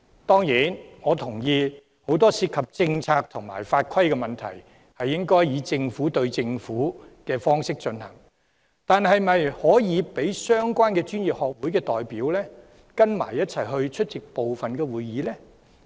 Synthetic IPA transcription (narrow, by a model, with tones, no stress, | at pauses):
t̪ɔː˥ŋjiː˨˥nŋɔː˨˧t̪ʰʊ˨˩ŋjiː˧ | ho˨˥wt̪ɔː˥siː˧t̚kʰɐ˨p̚t͡sɪ˧ŋt͡sʰaː˧k̚t̪ʰʊ˨˩ŋma̰ː˨˩jfaː˧t̚kʰɐ˥jkɛː˧mɐ˨nt̪ʰɐ̰˨˩j | hɐ˨jːɪ˥ŋkɔː˥jjiː˨˧t͡sɪ˧ŋfuː˨˥t̪ɵ˧ɥt͡sɪ˧ŋfuː˨˥kɛː˧fɔː˥ŋsɪ˥k̚t͡ʃɵ˧nhɐ̰˨˩ŋ | t̪aː˨nɦɐ˨jmɐ˨jhɔː˨˥jiː˨˧pe˨˥jsœː˥ŋkʷwaː˥nkɛː˧t͡ʃyː˥njiː˨˩p̚hɔː˨k̚wuː˨˥jkɛː˧t̪ɔː˨jpiː˨˥wlɛː˥ | kɐ˥nma̰ː˨˩jːɐ˥t̚t͡sʰɐ˨˩jɦɵ˧ɥt͡ʃʰɵ˥t̚t͡sɪ˨k̚po˨wfɐ˨nkɛː˧wuː˨jiː˨˥lɛː˥